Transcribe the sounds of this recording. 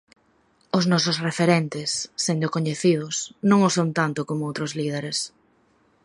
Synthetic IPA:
ʊznɔsʊsrefeɾent̪ɪsːend̪ʊkoɲeθið̞ʊsnõŋʊsont̪ant̪ʊkomʊowt̪ɾʊzlið̞eɾes

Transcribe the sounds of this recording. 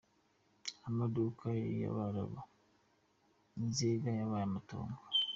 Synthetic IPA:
amaduːkʰaja̰βaɾa̰βo | n̩ziːɡajaβajamato̰ːŋɡa

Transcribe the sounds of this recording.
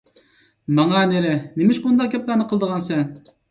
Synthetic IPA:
mɑŋɑneɾɪnemɪʃkund̪ɑq̚ɡʲɛp̚lænɨqʰəlˠd̪əʁɑnsɛn

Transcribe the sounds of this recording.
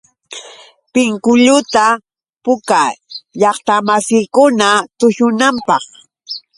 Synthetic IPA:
pɪŋkʊʎʊt̪a | pʊkaʎɑχt̪amasɪjkʊnat̪ʊʃʊnampɑχ

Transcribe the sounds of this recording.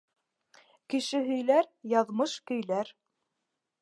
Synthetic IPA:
kɘ̆ʃɘɦɵ̆jlæɾjɑðmɤʃkɵ̆jlæɾ

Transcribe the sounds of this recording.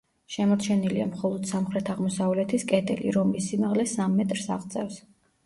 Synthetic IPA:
ʃɛmɔt͡ʃʰɛniliamχɔlˠɔd̪̥samχɾɛt̪ʰaʁmɔsavlɛt̪ʰiskʼɛd̪ɛ̰lḭɾɔmːisimaʁlɛsamːɛt̪ʼɾsaʁt̪sʼɛfs

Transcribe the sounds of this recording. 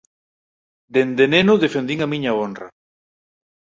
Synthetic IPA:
d̪end̪enenʊðefend̪iŋamĩɲaonra̰

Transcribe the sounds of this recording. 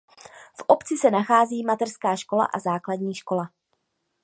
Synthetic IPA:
fʔopt͡sɪsɛnaxaːziːmat̪ɛrskaːʃko̞la̰ʔazaːkladɲiːʃko̞la

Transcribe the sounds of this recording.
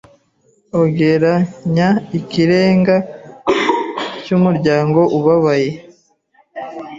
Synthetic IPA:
oɡe̞ɾaɲaikiɾe̞ːŋɡa | cumuɾɟaːŋɡo̞ʔuβaβaje̞

